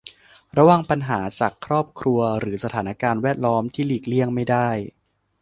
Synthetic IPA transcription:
ɾa˧waː˨˧ŋpa˧nɦaː˩˦t͡ɕaː˨˩kʰːɾɔː˥˩p̚kʰɾu˧ɐɾɯː˩˦sa˧t̪ʰaː˩˦na˧˥˩kaː˧nwɛː˥˩t̪̚lɔː˦˥mt̪ʰiː˥˩liː˨˩k̚li˥˩əŋma˥˩jdaː˥˩j

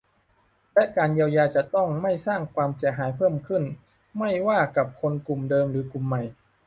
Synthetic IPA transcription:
lɛ˦˥ʔkaː˧njiː˧wjaː˧t͡ɕa˨˩t̪ɔ˥˩ŋma˥˩jsaː˥˩ŋkʰwaː˧msi˩˦ɦaː˩˦jpʰɤː˥˩mkʰɯ˥˩n | ma˥˩jwaː˥˩ka˨˩p̚kʰo˧nku˨˩mdɤː˧mɾɯː˩˦ku˨˩mːa˨˩j

